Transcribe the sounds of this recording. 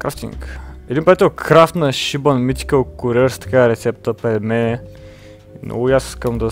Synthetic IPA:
kɾaft̪ḭŋkɛd̪inpɾɐdat̪ɛlˠkɾaft̪nɐʃibənmit̪ʲi̥kəlˠkuɾɛɾst̪ɐ̥kaɾɛt̪sɛp̚t̪əpɛmɛ | nɔ̰ɡujasi̥skəmd̪ɐ

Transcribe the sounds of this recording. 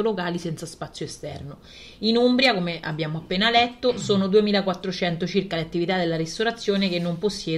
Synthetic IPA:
olokaːlisɛnt̪saspat̪sːjoest̪ɛrno | inumbɾjakomea̰bjaːmoapːeːnalɛt̪ːosoːnod̪uemiːlakwat̪ːɾot͡ʃɛnt̪ot͡ʃirkaleat̪ːivit̪ad̪elːaɾist̪oɾat̪sːjoːnekenːomposːjɛː

